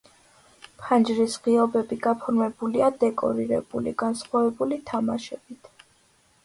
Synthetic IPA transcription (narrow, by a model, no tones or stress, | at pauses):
pʰand͡ʒɾisʁiɔbɛbiɡapʰɔɾmɛbuliad̪ɛkʼɔ̰ɾiɾɛ̰b̥ulḭɡ̥ansχwavɛbulit̪ʰamaʃɛb̥it̪ʰ